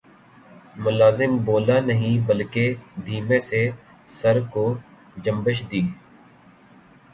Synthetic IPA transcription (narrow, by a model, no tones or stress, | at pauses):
mʊlaːzɪmboːlaːnəɦĩːbəlked̪ʱiːmẽːse | səɾkoː | d͡ʒəmbəʃd̪iː